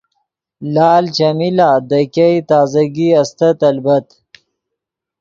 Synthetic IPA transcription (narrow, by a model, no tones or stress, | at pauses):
laːlt͡ʃamilaːd̪ɐkʲajt̪aːzɐɡiɐst̪ɐt̪ɐlbɐt̪